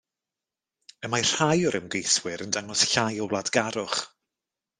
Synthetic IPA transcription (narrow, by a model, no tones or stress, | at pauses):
əmajr̥hajʊɾəmɡejswɪɾəndaŋɔsɬajɔwlˠadɡaɾʊχ